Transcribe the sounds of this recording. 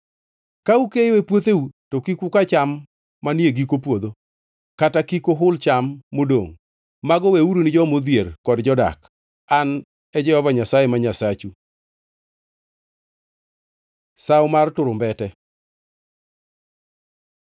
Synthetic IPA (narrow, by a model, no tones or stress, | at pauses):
kaukejowepwot̪eutokikukat͡ʃamː | anjeɡikopwod̪o | katakikoɦʊlt͡ʃamːodoŋ | maɡɔweuɾonɪd͡ʒɔmod̪jerkɔdd͡ʒɔda̰k | an | ɛd͡ʒɛhɔvaɲasajemaɲasat͡ʃu | sawmartʊɾʊmbɛtɛ